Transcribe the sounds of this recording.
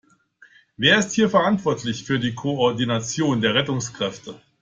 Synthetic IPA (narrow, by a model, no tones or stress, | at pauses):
veːɐɪsthiːɐfɛɐʔantv̥ɔɐtʰlɪçfyːɐdiːkʰoɔɐdinat͡sjoːndeːɐʁɛtʊŋskʁ̥ɛftə